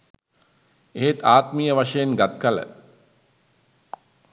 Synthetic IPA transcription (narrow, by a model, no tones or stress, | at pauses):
eɦet̪aːt̪mijəʋaʂəjenɡat̪kalə̰